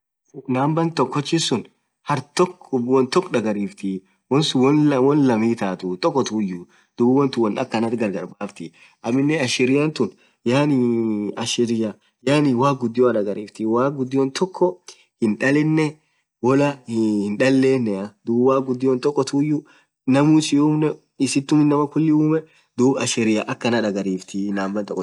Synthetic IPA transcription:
naːmbɐnt̪ɔkːɔt͡ʃːɪsʊn | hɐɾt̪ɔkwɔnt̪ɔkːᶑɐɡɐɾiːft̪i | wɔnsʊwɔnwɔnlɐmiːt̪aːt̪ʊt̪ʼɔkːɔt̪uːjːʊ | d̪̥ubwɔnt̪ʊwɔnɐ̰kːɐnɐt̪ɡɐɾɡɐɾbaːft̪ɪ | ʔɐmɪnːɛɐʃɪɾɪjɐnt̪ʊn | jaːniɐʃɪɾɪjɐ | jaːniwaːkɡʊd̪ːɪjoɐᶑɐɡɐɾiːft̪ɪwaːɡʊd̪ːɪjont̪ɔkːɔ | hɪnᶑɐlɛnːɛ | wɔlɐhhɪnᶑɐlːe̞ːnːɛɐd̪uːbwaːkɡʊd̪ːɪjɔnt̪ʼɔkːɔt̪uːjːʊ | nɐmuːsɪuːmnɛ | ɪsɪt̪ːʊmɪnːɐmɐkʊlːɪuːmɛ | d̪uːbɐʃɪɾɪjaʔɐkːɐnɐᶑɐɡɐɾiːft̪ɪnaːmbɐnt̪ʼɔkːɔ

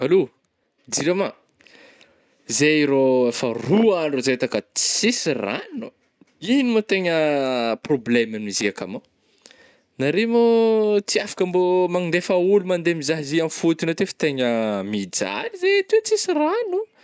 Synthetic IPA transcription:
alo | d̪iɾama | zeiɾoefəruanozeet̪akət͡st͡sisira̰nu | inimot̪eɲəproblemaniziaka̰ma | naɾemot͡siafḁkambomaŋind̪efaulumand̪emizaɦiziamfut̪inot̪efi̥t̪eɲəmid͡za̰lizet̪ut͡sisiranu

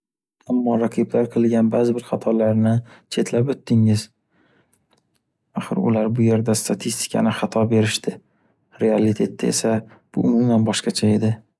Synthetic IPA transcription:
amːɒɾaqʰɨblaɾqʰɨlˠɡʲanbaːzɪbɪɾχat̪ʰɒlaɾnɪt͡ʃʰe̞t̪ʰlapot̪ːɪŋɪz̥ | aχɨ̰ɾʊ̰laɾbʊje̞ɾd̪ast̪ʰat̪ʰist̪ʰɪ̥kʲʰa̰nɪχɑt̪ʰɒbe̞ɾɪʃt̪ɪ | ɾe̞alit̪ʰe̞t̪ːae̞̰sa | b̥ʊ̰ʔʊmʊmanbɒʃqɑt͡ʃʰae̞d̪ɪ

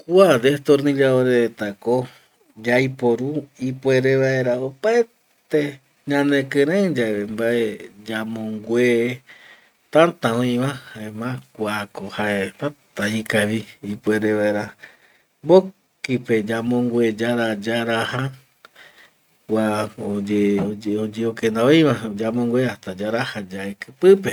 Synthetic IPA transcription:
kuad̪et̪oɾnĩɾaoɾeet̪ako | d͡ʒajpoɾuipweɾeβaeɾaopae | t̪e | ɲãnẽkẽɾẽd͡ʒaembaʔed͡ʒamõŋɡʷwe | t̪ãnt̪ãõĩβahaemãkʷakohaepat̪aikaβiipweɾeʋaeɾa | bo | kiped͡ʒamõŋɡwed͡ʒaɾad͡ʒaɾaha | kʷaod͡ʒeod͡ʒeokend̪aoĩβad͡ʒamõŋɡʷeaht̪ad͡ʒaɾahad͡ʒaekɨpɨpe

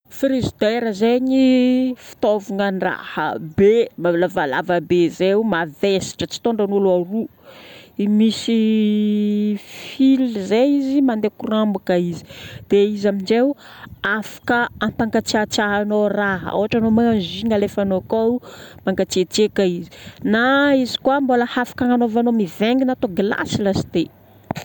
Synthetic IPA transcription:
fɾizid̪eɾəzeɲifi̥t̪ovuŋənra̰hə̰bemalavala̰vəbezemavesi̥ʈ͡ʂət͡si̥t̪oɳɖ͡ʐanuluaɾu | imisi | filzeizimand̪ekurambakəizi̥d̪̥eizamind͡ʒew | afḁkəampaŋɡat͡siat͡saɦanoraɦa̰wɦaʈ͡ʂanomaŋanziŋalefanokamaŋɡat͡siet͡sekaizi̥naizi̥kwamboləhafḁkaŋanovanomiveŋɡinat̪oɡila̰silasi̥d̪e

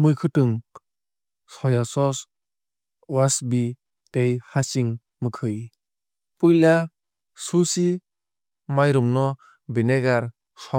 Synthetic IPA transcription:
mɯjkʰɯtɯŋ | sɔjasɔs | wasbi | tejhasiŋ | mɯkʰɯj | pɯla | susi | majɾumnɔ | bineɡaɾ | sɔ

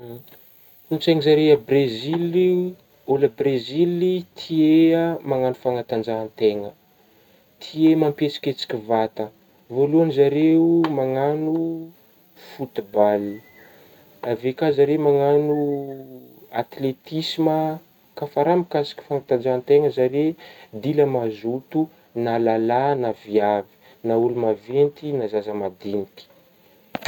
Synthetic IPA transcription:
unt͡sajŋizaɾeəbrezili | oləbrezilit̪ʰieəmaŋanu̥faŋat̪and͡ʒaːnt̪eŋə | t̪ʰiemampet͡si̥kʲet͡si̥kʲivat̪ə | voluanizaɾeumaŋanu | fut̪ibali | avekazaɾemaŋanu | at̪let̪isimə | kafaɾamikasi̥kʲi̥faŋat̪ad͡ʒant̪eŋəzaɾed̪iləmazut̪u | nalalanaviavi̥ | naulumavent̪inazazəmad̪iniki̥

